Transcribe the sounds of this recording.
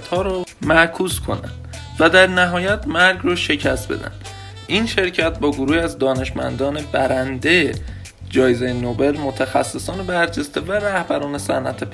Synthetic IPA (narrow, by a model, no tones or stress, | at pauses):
t̪hɒːɾomækʰuːskʰo̞̰næ̰nd̪̥ | væd̪æɾnæɦɒːjæt̪ʰmæɾɡrɒːʃe̞cʰæst̪̚be̞̰d̪æ̰nd̪̥ | inʃe̞ɾcʰæt̪̚bɒːɡoɾuːhiæzd̪ɒːne̞ʃmæ̰nd̪ɒːne̞bæɾænd̪eje | d͡ʒɒːjezejenobe̞lmot̪ʰæxæ̰sːe̞sɒːnebæɾd͡ʒe̞st̪e̞væɾæhbæɾɒːne̞sænʔæ̰t̪ʰep